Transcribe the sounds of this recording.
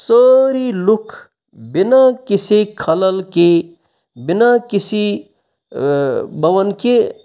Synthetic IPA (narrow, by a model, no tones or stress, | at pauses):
səɾilukʰ | binakisekʰɐləlke | binakisi | bəʋənke